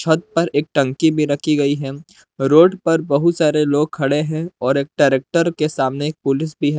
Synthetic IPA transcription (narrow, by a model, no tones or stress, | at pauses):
ʃʰɐd̪̚pɐɾeːk̚ʈɐ̃ŋkibʱiɾɐkʰiɡɐiɦɛː | ɾoːɖpɐɾbɐɦʊt̪saːɾeloːɡ̚kʰɐɽeɦɛ̃ɔːɾeːk̚ʈaːɾeːk̚ʈəɾkesaːmneeːk̚pʊlɪsbʱiɦɛː